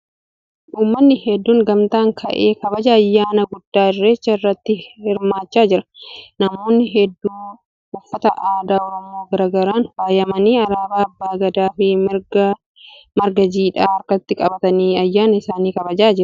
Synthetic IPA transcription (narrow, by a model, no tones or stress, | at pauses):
ʔuːmːɐnːɪhɛd̪ːuːŋɡɐmt̪aːŋkʰɐ̰ʔeːkɐbɐd͡ʒɐːjːaːnɐɡʊd̪ːaːɪrːeːt͡ʃːɐɪrːɐt̪ːɪhɪɾmaːt͡ʃːaːd͡ʒɪɾɐ̥nɐmo̞ːnːɪɦɛd̪ːuː | ʊfːɐt̪ɐʔaːd̪aːɔɾɔmo̞ːɡɐɾaːɡɐɾaːnfaːjɐmɐniːɐɾaːbaːɐbːaːɡɐd̪aːfɪ | mɐɾɡɐd͡ʒiːᶑaːɐɾkɐt̪ːɪkʼɐbɐt̪ɐniːɐjːaːnɐɪsaːniːkɐbɐd͡ʒaːd͡ʒɪɾɐ̥